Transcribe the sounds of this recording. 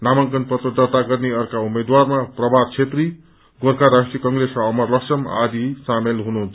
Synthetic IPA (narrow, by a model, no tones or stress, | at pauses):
namʌŋkʌnpʌt̪ʌd̪at̪aɡʌrneʌrkaumed̪warmaprʌbʱad̪̚t͡sʰet̪ri | ɡorkʰaɾaʂʈɾijʌkʌŋɡresʌmʌrlʌksʌma̰d̪isamelɦunu